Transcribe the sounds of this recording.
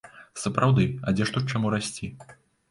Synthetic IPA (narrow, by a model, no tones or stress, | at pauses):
sɐpɾawd̪ɨɐ̰d͡zʲɛʂt̪ut͡ʂamuɾasʲt͡sʲi